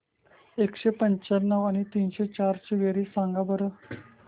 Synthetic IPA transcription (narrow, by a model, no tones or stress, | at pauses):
ekɕepəɲt͡ɕəɾnːəʋañit̪iːnɕet͡ɕaɾt͡ɕiʋeɾiːsãŋɡabəɾə